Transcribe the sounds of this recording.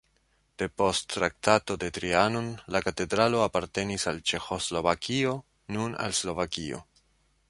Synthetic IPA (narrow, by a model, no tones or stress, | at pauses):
d̥e̞po̞stːɾak̚tato̞de̞tɾianonlakate̞dɾalo̞apaɾte̞nisalt͡ʃe̞xo̞slo̞vakʰio̞ | nuna̰lslo̞vakio̞̰